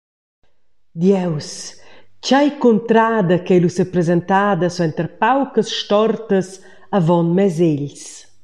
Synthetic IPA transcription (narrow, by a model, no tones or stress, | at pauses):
d̪jɛwst͡ʃajkunt̪ɾaːd̪ɐkɛjlusɛpɾɛzɛnt̪aːd̪ɐsɛnt̪əɾpawkəsʃtɔrt̪əs | avɔnmɛzeʎs